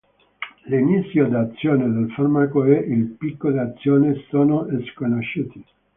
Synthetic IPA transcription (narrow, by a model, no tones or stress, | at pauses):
linit̪sːjod̪at̪sːjoːned̪elfarmakoɛʔilpikːoleat̪sːjoːnesoːnoʔeskonoʃːuːt̪i